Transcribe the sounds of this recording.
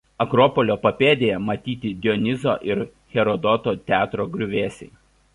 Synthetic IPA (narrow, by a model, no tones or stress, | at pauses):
ɐkɾɔːpɔlʲoːpɐpʲeːd̪ʲeːjɛmɐt̪ʲiːt̪ʲɪd̪ʲɔnʲɪzoːʔɪɾ | xʲɛɾɔd̪ɔt̪oːt̪ʲæːt̪ɾoːɡɾʲʊʋʲeːsʲɛɪ